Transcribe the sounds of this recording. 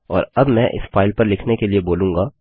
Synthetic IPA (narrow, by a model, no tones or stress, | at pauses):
ɔːɾɐbmɛ̃ːʔɪ̰sfaːɪlpɐɾlɪkʰnekelieboːlũːŋɡaː